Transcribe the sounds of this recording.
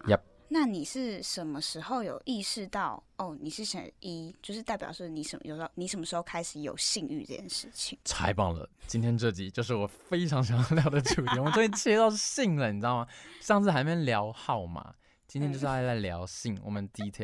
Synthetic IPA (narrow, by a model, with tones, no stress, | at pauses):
ja˥˨˩p̚ | na˥˩ni˨˩ʂɻ̩˥˩ʂə˧˥nmə˧ʂɻ̩˧˥xo˥˩ʊjo˨˩ʊʔi˥˧ʂɻ̩˥˧t̪ɑ˥˩ʊ | o˥˩ni˨˩ʂɻ̩˥˩ɕə̰˨˩ni˥t͡ɕjo˥˧ʊʂ̬ɻ̩˥t̪a˥˩pjɑ̰˨˩ʂni˧˥ʂə̰˨˩m˦jo˨˩ʊ˧o˥˧ni˧˥ʂə˧˥nmə˧ʂɻ̩˧xo˥˧ʊkʰa˥ɪʂɻ̩˧˥jo˨˩ʊɕi˥˧ŋy˥˧ʈ͡ʂɤ̰˥˧˩jɛ̰˥nʂɻ̩˥˩t͡ɕʰi˨˦ŋt͡sʰa̰˧˥ɪpɑ˨˩ŋlə̰˨˩t͡ɕi˥nt̪ʰjɛ˥nʈ͡ʂɤ˥˩t͡ɕi˨˩t͡ɕjo˥˧ʊʂ̬ɻ̩˥˩wɔ˨˩fe˥ɪʈ͡ʂʰɑ˧˥ŋɕ̬jɑ˧˥ŋljɑ˥˩ʊd̪ə˩ʈ͡ʂʰu˨˥tʰi˨wɔ˨˩ə˦nt͡ɕo˥jɛ˥˩t͡ɕʰi˥˧˥ɑ˥˧ʊʂɕi˥˩ŋlə˨˩ni˨˩ʈ͡ʂ̩˥ɑ˥˨˩ma˨ʂɑ˥˧ŋt͡sɹ̩˥˩xa˧˥ɪme˧˥ljɑ˧˥ʊxɑ˥˩ʊma̰˩ | t͡ɕi˥nt̪jɛ˥t͡ɕo˥˧ʊʂa˥˧ɪla˥˩ɪljɑ˧˥ʊɕi˥˩ŋwɔ̰˨˩mə˦nt̪i˥˧i˥t̪ʰjɛ˥˦